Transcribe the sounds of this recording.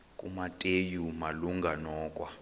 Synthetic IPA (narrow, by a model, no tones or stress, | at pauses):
kʼṵmatʼejumaluŋɡʱanɔːkʼwa